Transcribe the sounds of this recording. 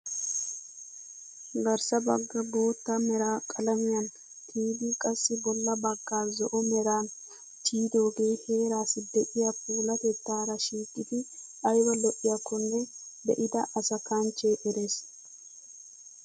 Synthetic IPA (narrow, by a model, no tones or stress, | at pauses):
ɡɐɾsɐbɐɡːɐbo̞ːt̪ːamɛɾaːkʼɐlɐmɪjɐn | t̪ʰiːd̪ɪkʼɐsːɪbɔlːɐbɐɡːaːzɔʔɔmɛɾaːn | t̪ʰiːd̪o̞ːɡe̞ːhe̞ːɾaːsɪd̪ɛʔɪjap̚ʰuːlɐt̪ɛt̪ːaːɾɐʃiːkʼːɪd̪ɪʔɐjwɐlɔʔɪjɐkːɔnːɛd̪ɛʔɪd̪ɐʔɐsɐkɐnt͡ʃːeʔɛɾeːs